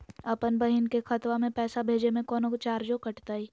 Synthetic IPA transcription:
ɐpənbɐɦɪnkexɐt̪ʋamẽpɛːsabʱeːd͡ʒemẽkɔːnokt͡ʃaːɾd͡ʒokɐʈt̪aːiː

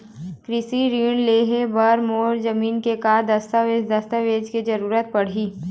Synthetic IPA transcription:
kɾɪsiɾiːɳleːɦebɐɾmoːɾzɐmiːnkekaːd̪ɐst̪aʋed̪ɐst̪aʋeːd͡ʒked͡ʒɐɾuːɾət̪̚pɐɽ̤iː

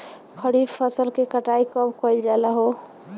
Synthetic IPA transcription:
kʰəɽipʰːəsəlkekəʈaikəbkɔld͡ʒaləɦo

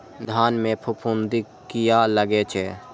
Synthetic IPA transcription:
d̪ʱaːnmẽpʰʊpʰund̪i | kijaləɡet͡ʃʰɛ

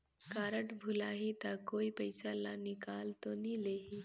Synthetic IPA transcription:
kaɾəʈbʱulaɦit̪akoipəjsalanikalt̪onileɦi

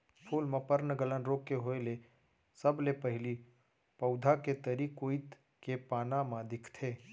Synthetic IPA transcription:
pʰuːlmãpəɾnɡələnɾoːkːeɦoele | səblepəɦɪli | pɐʊd̪ʱaket̪əɾikoːit̪ | kepaːnamãd̪ɪkʰt̪ʰeː

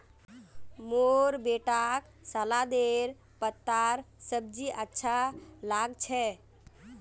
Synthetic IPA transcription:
moɾbeʈak | salad̪eɾ | pət̪ːaɾsəb̚d͡ʒiʔətːʃʰalaɡt͡ʃʰɛ

